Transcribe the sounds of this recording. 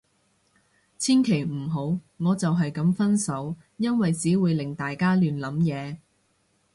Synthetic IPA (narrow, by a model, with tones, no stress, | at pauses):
t͡sʰiː˥nkʰe˨˩jm̩˨˩ɦo˨˥w | ŋɔː˨˧t͡sɐ˨wɦɐ˨jkɐ˨˥mfɐ˥nsɐ˨˥w | jɐ˥nwɐ˨jt͡siː˨˥wuː˨˧jlɪ˨˩ŋt̪aː˨jkaː˥lyː˨nlɐ˨˥mjɛː˨˧